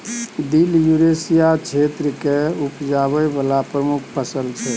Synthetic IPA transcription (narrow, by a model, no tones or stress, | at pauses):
d̪iljuɾesijat͡ʃʰet̪ɾəkeupd͡ʒaβɛbalapɾəmukʰpəsəlt͡ʃʰɛ